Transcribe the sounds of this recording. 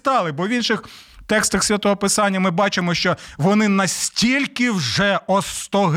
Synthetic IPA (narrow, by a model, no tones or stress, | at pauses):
t̪ɑlˠɪbɔʋʲinʃɪx | t̪ɛkst̪ɐxsʲʋʲɐt̪ɔɦɔpɪsɑnʲːɐmɪbɑt͡ʃɪmɔʃt͡ʃɔʋɔnɪnɐsʲtʲilʲkɪwʒɛɔst̪ɔɦ